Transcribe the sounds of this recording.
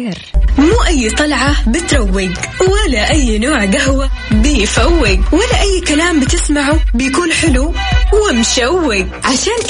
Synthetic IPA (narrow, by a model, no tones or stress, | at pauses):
muːʔajːt̪ˤɑlʕabɪt̪ɾˤɑwːɪɡwalaʔajːnoːʕɡaɦwabɪjfawːɪɡwalːaʔajːkalaːmbɪt̪ɪsmaʕubɪjakuːnħɪluwɪmʃawːɪɡʕaʃaːn